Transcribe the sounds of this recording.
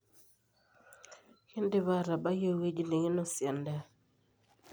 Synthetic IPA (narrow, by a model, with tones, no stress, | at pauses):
ki˦ndi˦va˦˨ɾa˨ba˦jo˦we˦d͡ʒi˦le˨ŋi˦no˦sjɛ˨nda˦˨